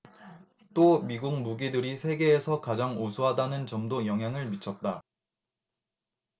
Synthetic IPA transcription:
t͈omiɡuŋ̚muɡidɯɾisʰe̞ɡe̞ːsʰʌkad͡ʑaŋosʰuɦadanɯnt͡ɕʌmdojʌŋɦjaŋɯɭmit͡ɕʰʌt̚t͈a

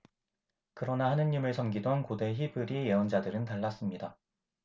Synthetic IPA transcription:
kɯɾʌnahanɯɲːimɯɭsʰʌmɡidonkode̞çibɯɾije̞ʌnd͡ʑadɯɾɯntaɭːas͈ɯmɲida

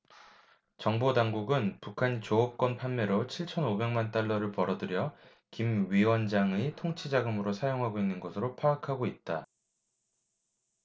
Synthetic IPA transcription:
t͡ɕʌŋbodaŋɡuɡɯnpukʰanit͡ɕoʌp̚k͈ʌnpʰanme̞ɾot͡ɕʰiɭt͡ɕʰʌnobe̞ŋmant͈aɭːʌɾɯɭpʌɾʌdɯɾjʌ | kimɥiwʌnd͡ʑaŋetʰoŋt͡ɕʰid͡ʑaɡɯmɯɾosʰajoŋɦaɡoinːɯnɡʌsʰɯɾopʰaːkʰaɡoit̚t͈a

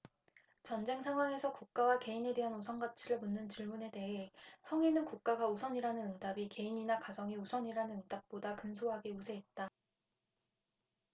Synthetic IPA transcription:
t͡ɕʌnd͡ʑe̞ŋsʰaŋɦwaŋe̞sʰʌkuk̚k͈awake̞ine̞de̞ɦanusʰʌŋɡat͡ɕʰiɾɯɭmunːɯnt͡ɕiɭmune̞de̞ɦe̞sʰʌŋinɯnkuk̚k͈aɡausʰʌɲiɾanɯnɯndabike̞iɲinakad͡ʑʌŋiusʰʌɲiɾanɯnɯndap̚p͈odakɯnsʰoɦaɡe̞usʰe̞ːt̚t͈a

